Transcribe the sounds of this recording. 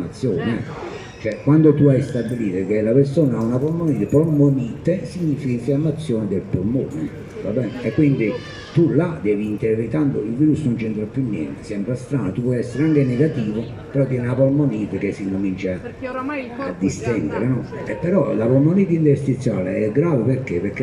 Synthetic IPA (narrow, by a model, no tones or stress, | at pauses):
at̪sːjɔːnɛ̰ | t͡ʃoɛkːwand̪ot̪uajst̪abːiliːt̪ek̟elapeɾsoːnaaunapɔlmoniːt̪epɔlmoniːt̪esiɲːiːfikaiɱfijamːat̪sːjɔːnɪd̪elpolmo̰ːne | va̰bːɛnekːwind̪i | t̪ulad̪ɛːviːnt̪eɾɾit̪and̪oilviːɾusːnont͡ʃɛnt̪ɾapːjunːjɛ̰nt̪e̥sɛmpɾast̪ɾaːnot̪upwɔjɛsːeɾeaŋkeneɡat̪iːvo | peɾɔt̪ːjɛnnapɔlmoniːt̪ek̟esːiŋkomint͡ʃa | a̰d̪ːist̪ɛnd̪eɾenɔepːɛɾɔlapɔlmoniːt̪̬int̪eɾst̪it̪sːja̰ːlḛɛɡːɾaːvepeɾkepeɾkːe